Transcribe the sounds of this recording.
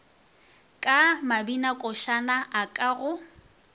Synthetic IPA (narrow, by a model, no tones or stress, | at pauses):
kʼamabinakʼɔʃanaʔakʼaɣʊ